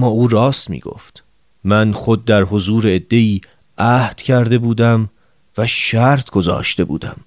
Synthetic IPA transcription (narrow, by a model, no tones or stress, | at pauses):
mːɒːuːɾɒːst̪mḭːɡ̥o̰ːft̪ | mænχo̞d̪̚ːæɾho̞zuːɾeːd̪ːe̞iː | ʔæhd̪̥cʰæɾd̪e̞buːd̪æm | væʃæɾt̪ʰɡ̥o̞zɒ̰ːʃt̪e̞bṵːd̪æ̰m